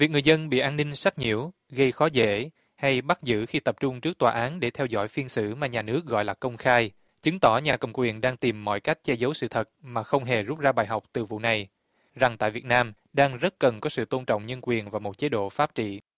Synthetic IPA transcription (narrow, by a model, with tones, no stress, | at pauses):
vi˨˩k̚ŋɨ˨˩əjzə˧nɓḭ˧˨ʔaː˧nːï˧ŋ̟sa˦˥kt̚ɲḭ˧˩˨əw | ɣə˧jxɔ˨˦zḛ˧˨ | ha˧jɓa˦˥t̚zɨ̰˧˨xi˧t̪ə˨˩p̚t͡ɕʊ˧ŋ͡mt͡ɕɨ˦˥ək̚t̪waː˨ʔaː˨˦nɗe˧˩t̪ʰɛ˧wzɔ̰˧˥˨jfi˧ənsɨ̰˧˩maː˨˩ɲaː˨˩nɨ˦˥ək̚ɣɔ̰˧˨jlaː˨˩kə˧wŋ͡mxaː˧j | t͡ɕɨ˨˦ŋt̪ɔ˧˩ɲaː˨˩kə̰˨˩wŋ͡mkwi˨˩ənɗaː˧ŋt̪i˨˩mːɔ̰˧˨jka˦˥jk̟̚t͡ɕɛ˧zə˨˦wsɨ̰˧˨t̪ʰə˨˩t̚maː˨˩xə˧wŋ͡mɦe˨˩zu˦˥p̚zaː˧ɓaː˨˩jɦa˨˩wk͡p̚t̪ɨ˨˩vṵ˧˨na˨˩j | za˨˩ŋt̪a̰ː˧˨jvi˨˩t̚naː˧m | ɗaː˧ŋzə˦˥t̚kə˨˩nkɔ˨˦sɨ̰˧˨t̪o˧nt͡ɕɔ̰˧˨wŋ͡mɲə˧nkwi˨˩ənvaː˨˩mo˨˩t̚t͡ɕe˨˦ɗo̰˧˨faː˦˥p̚t͡ɕḭ˧˨